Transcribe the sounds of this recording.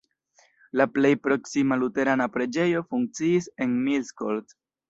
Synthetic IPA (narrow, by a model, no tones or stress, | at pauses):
laple̞jpɾo̞ksimalute̞ɾanapɾe̞d͡ʒe̞jo̞fuŋk̚t͡siise̞nmilskolt